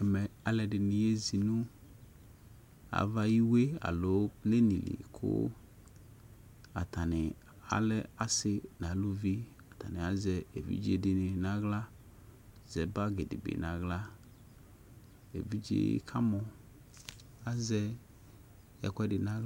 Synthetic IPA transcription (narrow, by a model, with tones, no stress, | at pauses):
ɛ˨mɛ˨a˨lɛ˨ɖɪ˨nɪ̃˨je˦zi˨nũ˦ | a̰˨va˦ji˦we˦a̰˨lo˨˦le˦nĩ˨lḭ˨kʰʊ̰˦ | a̰˨t̪a˨nɪ˨ | a̰˨lɛ˦a˨sɪ˨nã˨lu˦vi˦ | a˨t̪a˨nɪ̃˨a˨˦zɛ˨e˨vḭ˦d͡ʒi˦e˨dɪ˨nɪ˨nã˦ɣla˦ | zɛ˨ba˦ɡe˨dɪ̰˨bḛ˨nã˨ɣla˦ | ḛ˨vi˦d͡ʒḛ˦j̰kʰa˦mɔ˨ | a˦zɛ˦ | ɛ̰˨kʷɛ˦dɪ˨nã˦